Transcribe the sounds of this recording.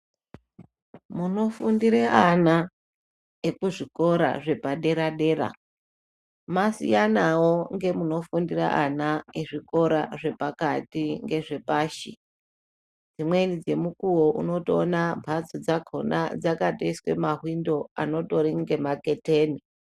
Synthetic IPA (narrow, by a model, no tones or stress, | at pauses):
muno̞fundiɾeana | ekuʐiko̞ɾa̰ʐe̞paɗe̞ɾaɗe̞ːɾa̰ | masḭjanawo̞ŋɡe̞muno̞fundira̰ʔanaeʐiko̞ɾaʐe̞pakatiŋɡe̞ʐe̞paːʃḭ | d͡zimwenid͡ze̞mukuwo̞ʔṵno̞tonambʱat͡sod͡zaɡʱona̰d͡zakatoiswe̞̰maɦwindo̞a̰no̞to̞ɾiŋɡe̞make̞teːni